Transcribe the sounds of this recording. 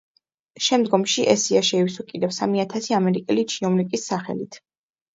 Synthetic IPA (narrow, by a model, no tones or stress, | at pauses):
ʃɛmd̪ɡɔmʃiʔɛsiaʃɛiwsɔkʼid̪ɛvsamiat̪ʰasiamɛɾikʼɛlit͡ʃʰiɔmlikʼisːaχɛ̰lit̪ʰ